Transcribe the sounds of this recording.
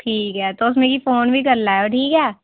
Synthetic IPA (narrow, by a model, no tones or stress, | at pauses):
ʈʰiːkɦɛːt̪oʊs̬mẽkifoːnbʱikɐɾlaɦɛoʈʰiːkɦɛː